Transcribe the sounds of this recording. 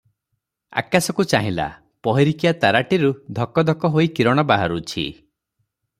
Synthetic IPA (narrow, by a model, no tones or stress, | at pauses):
a̰kasɔkut͡ʃaɦĩla̰ | pɔɦiɾikijat̪aɾaʈiɾud̪ʱɔkɔd̪ʱɔkɔɦoikiɾɔɽ̃ɔbaɦaɾut͡ʃʰḭ